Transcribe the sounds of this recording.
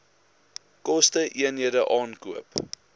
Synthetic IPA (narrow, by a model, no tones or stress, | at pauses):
kɔstəʔiənɦiədəʔɑːnkuəp